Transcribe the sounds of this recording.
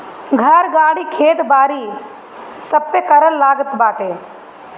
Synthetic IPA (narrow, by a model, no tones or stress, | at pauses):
ɡʱɐɾɡaːɽikʰeːt̪baːɾi | sɐpːekɐɾəlːaːɡət̪baːt̪eː